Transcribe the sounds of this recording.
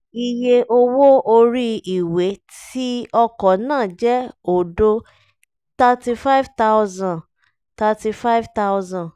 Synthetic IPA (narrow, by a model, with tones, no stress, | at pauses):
i˧je˧ʔo˧wo˦o˧ɾi˦i˨we˨˦ti˦ɔ˧kɔ˨nãː˦˨d͡ʒɛ˦o˨do˦ | ta˧ti˧fa˦vta˦ʊzã˨ | ta˧ti˧fa˦i˦vta˦ʊzã˨